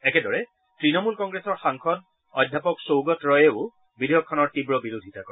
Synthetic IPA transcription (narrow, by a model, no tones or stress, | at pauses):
ɛkɛdɔɹɛ | tɹinɔmulkɔŋɡɹesɔɹxaŋkʰɔd | ɔjdʱːjapɔksowɡɔtɹɔjeʊ | bidʱejɔkʰːɔnɔɹtibɹɔbiɹodʱitakɔ